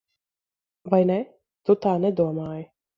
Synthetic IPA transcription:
vajnɛ | t̪ut̪aːnɛd̪uɔmaːj

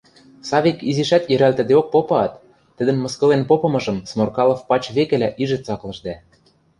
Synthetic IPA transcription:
sɑβʲikiziʃæt̪jɘ̆ɾælt̪ɘ̆d̪eok̚popɑɑt̪ː | ə̆d̪ɘ̆nmɤ̆skɤ̆lenpopɤ̆mɤ̆ʒɤ̆msmorkɑlˠɤ̆fpɑt͡ɕβekɘ̆læʔiʒɘ̆t͡sɑklɤ̆ʒd̪æ

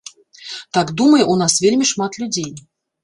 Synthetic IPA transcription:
t̪akd̪uməjəʔunasvʲelʲmʲiʂmat̪lʲʊd͡zʲej

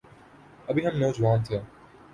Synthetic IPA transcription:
əbʱiɦɐmnɔːd͡ʒʋaːnt̪ʰɪjãː

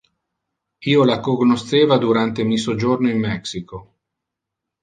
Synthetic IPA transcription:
iːolakoɡnost̪eːvad̪uɾant̪emisod͡ʒornoimːɛksiko

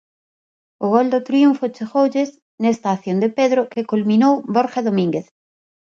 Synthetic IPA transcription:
oɣold̪ot̪ɾiuɱfot͡ʃeɣowʎez | nest̪aːθjond̪epeðɾokekulmĩnowboɾxaðomĩŋɡeθ

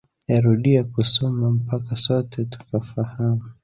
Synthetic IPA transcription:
jaɾuɗiakusɔmam̩pakasɔtʰɛtu̥kafahamu

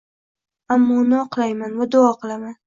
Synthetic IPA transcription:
amːɒʊnɪɒqlˠajmanvad̪oɒqɨlˠaman

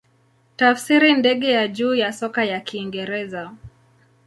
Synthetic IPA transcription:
tafsiɾindɛɠɛjaʄuːjasɔkajakiːŋɡɛɾɛza

